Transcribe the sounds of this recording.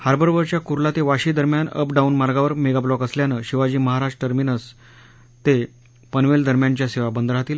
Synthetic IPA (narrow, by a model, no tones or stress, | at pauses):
haɾbəɾʋəɾt͡ɕjakuɾlat̪eʋaɕiːd̪əɾmjanə̰pɖaunmaɾɡaʋəɾmeɡablɔkəsljanəɕiʋad͡ʑiːməɦaɾaʈəʈəɾminəs | t̪e | pənʋeld̪əɾmjaɲt͡ɕjaseʋabənd̪əɾɦat̪iːl